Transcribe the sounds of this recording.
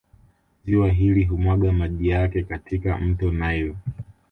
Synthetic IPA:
ziwaɦiliɦumwaɠamaʄijakɛkatika̰m̩tɔnajɔ

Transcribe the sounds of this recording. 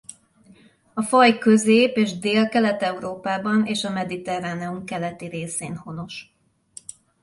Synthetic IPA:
ɒfɒjkøzeːpeːʒd̪eːlkɛlɛt̪ɛuɾoːpaːbɒneːʃɒmɛd̪it̪ɛraːnɛumkɛlɛt̪iɾeːseːnho̞no̞ʃ

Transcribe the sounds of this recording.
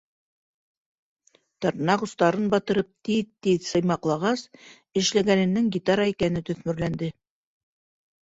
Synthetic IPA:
t̪ɑɾnɑʁŭst̪ɑɾɤnbɑt̪ɤ̆ɾɤp̚t̪it̪ːiðsɤ̆jmɑqlˠɑʁɑs | ɘ̆ʃlæɡænɘ̆nːɘŋɡʲit̪aɾɑikænɘt̪ɵ̆θmɵ̆ɾlænd̪ɘ

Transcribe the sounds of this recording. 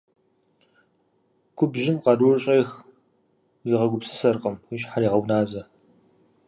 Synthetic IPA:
kʷʰʊbʒɪmqɑrurɨɕʼeːx | jiʁɐɡʷʊpsɨ̥sɐrqɐmiʃħaɾiːʁɐwnaːzɐ

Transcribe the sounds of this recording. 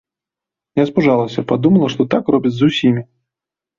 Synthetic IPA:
jaspuʐalˠɐsʲɐpad̪umɐlˠɐʂt̪ɔt̪akrɔbʲit͡sʲzusʲimʲi

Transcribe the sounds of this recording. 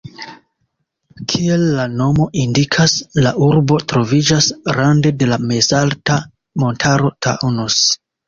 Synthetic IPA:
kʰie̞lːano̞mo̞ʔindikʰaslaʔuɾbo̞tɾo̞vid͡ʒasɾande̞de̞lame̞zalta | mo̞ntʰaɾo̞tʰa̰ʔunos

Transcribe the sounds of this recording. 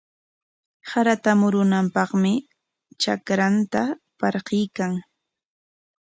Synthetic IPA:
saɾat̪amʊɾʊnampɑχmɪ | t͡ʃakɾant̪apɑɾɢɪjkaŋ

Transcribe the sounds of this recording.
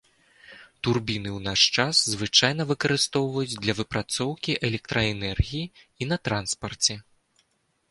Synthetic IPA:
t̪urbʲinɨwnaʂt͡ʂaszvɨt͡ʂajnɐvɨkɐɾɨst̪ɔwvɐjud͡zʲd̪lʲɐvɨpɾat̪sɔwkʲiʔɛlʲɛk̚t̪ɾɐɛnɛrɣʲiji | in̪ɐt̪ɾanspɐrt͡sʲɛ

